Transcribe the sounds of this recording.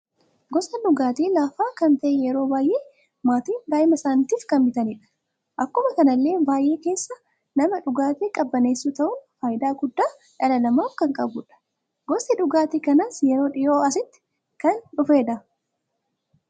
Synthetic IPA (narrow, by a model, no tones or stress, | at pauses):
ɡɔsɐᶑʊɡaːt̪iːlaːfaːkɐnt̪ɐʔɛjɛɾo̞ːbaːjʔeː | maːt̪iːnd̪aːɪmɐsaːnt̪iːfkɐnbɪt̪ɐniːᶑɐ̥ | ʔɐkːʊmɐkɐnɐlːe̞ːbaːjʔe̞ːke̞ːsːɐ | nɐmɐᶑʊɡaːt̪iːkʼɐbːɐne̞ːsːuːt̪ɐʔʊnfaːjɪd̪aːɡʊd̪ːaː | ᶑɐlɐlɐmaːfkɐŋkʼɐbʊᶑɐ̥ | ɡɔsɪᶑʊɡaːt̪iːkɐnaːsjɛɾoːᶑɪjoːɐsɪt̪ːɪ̥ | kɐnᶑʊfe̞ːd̪ɐ